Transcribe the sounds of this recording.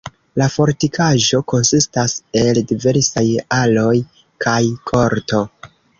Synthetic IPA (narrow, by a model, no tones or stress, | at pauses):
lafo̞ɾtikaʒo̞ko̞nsistase̞ldive̞ɾsajalo̞j | kʰajkʰo̞ɾto̞